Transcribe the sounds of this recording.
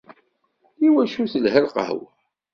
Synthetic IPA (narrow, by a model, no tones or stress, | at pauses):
iwæʃuθəlɦəlqə̰hw